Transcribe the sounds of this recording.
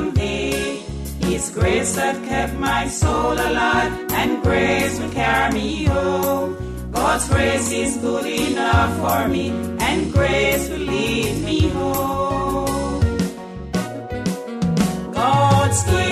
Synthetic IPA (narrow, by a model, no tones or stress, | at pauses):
mði | hizɡɹeɪsðɨt̚kʰɛp̚t̚maɪsoʊlˠəlaɪvɨ̃nɡɹeɪɪswɪlkʰɛɹimijho | ɡ̥ɑdzɡɹeɪsɪzɡʊliɪnʌfəɹmiʔɨ̃nɡɹeɪswɪlivmiho | ɡ̥ɑdzɡɹe